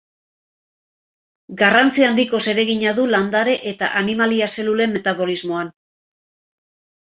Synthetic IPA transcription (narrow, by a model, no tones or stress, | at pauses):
ɡarant͡siand̪iko̞se̞ɾe̞ɣiɲaðuland̪aɾe̞ʔet̪a̰ʔanimaliase̞lule̞mːe̞t̪aβo̞lizmo̞an